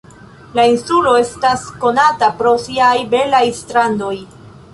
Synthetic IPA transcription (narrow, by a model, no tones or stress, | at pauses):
lainsulo̞e̞stasko̞natapɾo̞siajbe̞lajstɾando̞j